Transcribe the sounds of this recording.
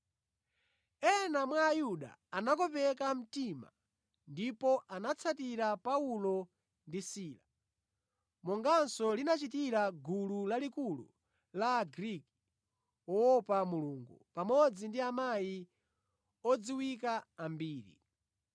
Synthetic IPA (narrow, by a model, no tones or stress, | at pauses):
ɛnamwaːjuɗa̰ːnakɔpɛkam̩tima̰ | ndipɔʔanat͡sʰatiɾapaulɔ | ndisiːla | mɔŋɡansɔlinat͡ʃitiɾaɡululalikulṵ | laɡɾiki̥ | wɔɔpamuluːŋɡṵpamɔd͡zindiamaji | ɔd͡ziwikaːmbiːɾḭ